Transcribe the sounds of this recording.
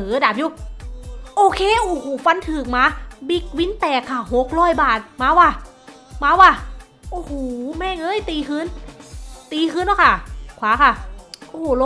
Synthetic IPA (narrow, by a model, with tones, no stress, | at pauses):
ɯː˨˦˧daː˨˩p̚juː˧˥˩ | ʔoː˧˩kʰeː˧˥˨ʔoː˧˩hoː˨˧˩fa˧˥nt̪ʰɯː˨˩k̚maː˧˥bi˧˥k̚wi˦˥nt̪ɛː˨˩kʰːa˧˩ho˨˩k̚ɾɔː˧˥˩jbaː˨˩t̪̚maː˧˥waː˧˩ | maː˧˥waː˧˩ | ʔoː˧˩hoː˨˩mɛː˧˩ŋɤː˧˥˨jt̪iː˧kʰɯː˧˥n | t̪iː˧kʰɯː˧˥nlɔ˧˥˩kʰa˧˥˩kʰwaː˨˦kʰa˥˩ʔo˧˨˧lo˧